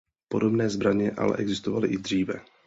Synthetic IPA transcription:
po̞do̞bnɛːzbɾaɲɛʔa̰lɛ̰ʔɛɡzɪst̪ovalɪʔɪd̪r̝iːvɛ

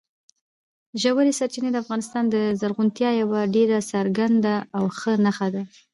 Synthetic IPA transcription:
ʒawaɾisaɾt͡ʃined̪əafɣɑnɪst̪ɑnd̪əzaɾɣunt̪jɑjawaɖeɾasaɾɡand̪aːwxənaxad̪a

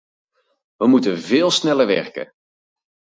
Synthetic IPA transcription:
ʋəmutənvɪːlˠsnɛləɹʋɛ̰ɹkə̰

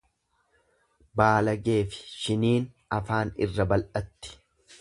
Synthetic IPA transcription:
baːlɐɡe̞ːfɪ̥ʃɪniːn | ɐfaːnɪ̰rːɐbɐlʔɐt̪ːɪ̥

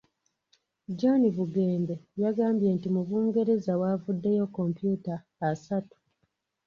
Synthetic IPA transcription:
d͡ʒonivuɡeːmbe̞jaɡaːmbje̞ːntimuβuːŋɡe̞ɾe̞zawaːvudːe̞jo̞kːo̞mpjuːtaː | satu̥

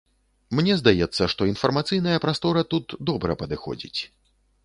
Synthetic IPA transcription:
mnʲɛzd̪ajɛt̪sːɐʂt̪ɔinfɐrmat̪sɨjnɐjɐpɾast̪ɔɾɐt̪ut̪d̪ɔbɾɐ̰pɐd̪ɨxɔ̰d͡zʲḭt͡sʲ

